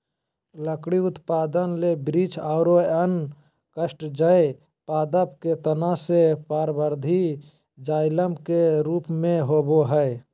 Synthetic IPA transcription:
ləkɽiʊt̪paːd̪ənlebɾit͡ʃʰaʊɾoən | kəsʈd͡ʒəe | paːd̪əp̚ket̪ənasepaːɾbəɾd̪ʱi | d͡ʒaːɪləmkeɾuːpmẽɦoboɦəe

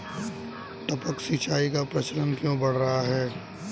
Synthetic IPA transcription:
ʈ̪əpəksit͡ʃaːikapɾɐt͡ʃəɾənkjõbɐɽ̤ɾɐɦaɦɛː

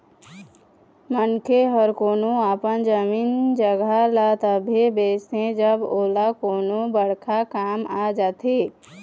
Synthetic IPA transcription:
mənkeɦəɾkoːnoaːpənd͡ʒəmiːnd͡ʒəɡʱalat̪əbʱebeːsẽd͡ʒəboːlakoːnobəɽ̤kʰakaːmad͡ʒaːt̪e

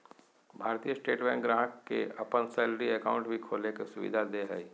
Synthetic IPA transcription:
bʱaːɾt̪ijəsʈeːʈbɛ̃ːŋɡɾãːɦkkːḛɐpənsɛːlɾiekaːʊ̃ɳʈbʱikʰoːlekesʊʋḭd̪ʱad̪eɦə̰i

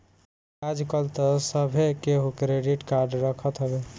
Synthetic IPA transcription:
ad͡ʒkəlt̪əsəbʱekeɦukɾeɖiʈkaɾɖɾəkʰət̪ɦəbe

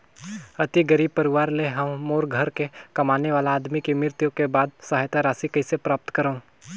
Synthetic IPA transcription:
ɐt̪iɡɐɾiːb̚pɐɾɪʋaːɾleɦɐmmoːɾɡʱɐɾkekɐmaːneʋaːlaːd̪mikemɪɾt̪jõkebaːd̪saɦajt̪aɾaːsikɐɪsepɾaːp̚t̪kɐɾaũ

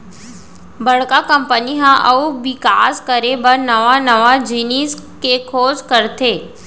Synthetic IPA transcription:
bɐɽ̤kakɐ̃mpəniɦãʔɐʋʋɪkaːskəɾebəɾnəʋanɐʋad͡ʒiniːskekʰoːzkəɾt̪eː

